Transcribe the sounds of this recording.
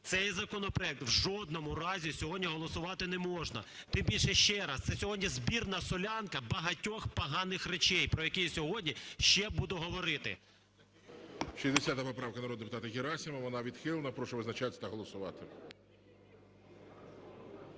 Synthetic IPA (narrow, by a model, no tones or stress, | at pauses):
t̪sɛjzɐkɔnɔpɾɔɛk̚t̪wʒɔd̪nɔmʊrɑzʲisʲɔɦɔdʲnʲiɦɔlˠɔsʊʋɑt̪ɪnɛmɔʒnɐ̰ | t̪ɪmbʲilʲʃɛʃt͡ʃɛɾɐst̪sɛsʲɔɦɔdʲnʲizbʲirnɐsɔlʲɑnkɐbɐɦɐtʲɔxpɐɦɑnɪxret͡ʃɛjpɾɔjɐkɛjsʲɔɦɔdʲnʲiʃt͡ʃɛbud̪ʊɦɔʋɔɾɪt̪ɪ̰ | ʃizʲd̪esʲat̪ɐpɔpɾɑʋkɐnɐɾɔd̪d̪epʊt̪ɑt̪ɐjeɾɑsʲimɐʋɔnɑʋʲid̪xɪlˠnɐpɾɔʃɛʋɪznɐt͡ʃat̪ʲɐ̥t̪ɐɦɔlˠɔsʊʋɑt̪ɪ